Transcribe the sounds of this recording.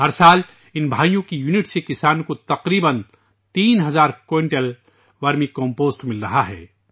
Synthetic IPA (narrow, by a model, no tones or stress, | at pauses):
ɦɐɾsaːl | ɪnbʱaːjõkijuːnɪʈsekɪsaːnkot̪ɐqɾiːbən | t̪iːnɦɐzaːɾkoːɪ̃ɳʈəl | ʋaːɾmĩkɔ̃ːmpoːsʈmɪlɾɐɦaɦɛ̰ː